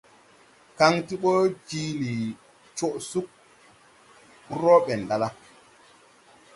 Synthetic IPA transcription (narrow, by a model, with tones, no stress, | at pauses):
ka˦ŋti˦ɓɔ˦d͡ʒi˦li˨ | t͡ʃo˦˨ʔsu˦k̚ | ɾo˦ɓɛ˨nda˨la˦